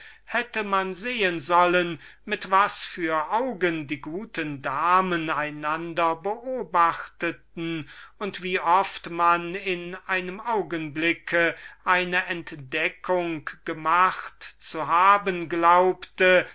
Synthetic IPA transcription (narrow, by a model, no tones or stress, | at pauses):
hɛtəmanzeːənzɔlənmɪtv̥asfyːɐʔaʊɡəndiːɡuːtəndaːmənaɪnandɐbəʔoːbaχtətn̩ʊntv̥iːʔɔftmanɪnaɪnəmʔaʊɡənblɪkʰəʔaɪnəʔɛntd̥ɛkʰʊŋɡ̥əmaχtt͡suɦaːbənɡlaʊptə